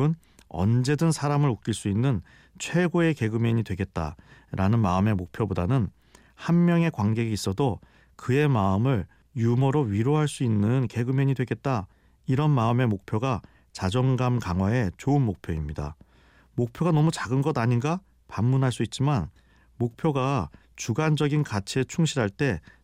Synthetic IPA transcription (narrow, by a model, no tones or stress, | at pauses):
ɯn | ʌ̰nd͡ʑe̞dɯnsʰaɾamɯɾok̚k͈iɭs͈uinːɯn | t͡ɕʰwe̞ɡoe̞ke̞ɡɯmeɲidwe̞ɡe̞t̚t͈a̰ɾʔanɯnmaɯme̞mok̚pʰjobodanɯn | hanmjʌŋe̞kwaŋɡe̞ɡiis͈ʌdo | kɯe̞maɯmɯɭ | jumʌɾoɥiɾoɦaɭs͈uinːɯnke̞ɡɯmjʌɲidwe̞ɡe̞t̚t͈a | iɾʌnmaɯme̞mok̚pʰjoɡa | t͡ɕad͡ʑʌŋɡamkaŋwae̞t͡ɕoɯnmok̚pʰjoimɲida̰ | mok̚pʰjoɡanʌmut͡ɕaɡɯnɡʌdaɲinɡa | pamːunɦaɭs͈uit̚t͡ɕ͈iman | mok̚pʰjoɡa | t͡ɕuɡand͡ʑʌɡinkat͡ɕʰiet͡ɕʰuŋɕʰiɾɦaɭt͈e̞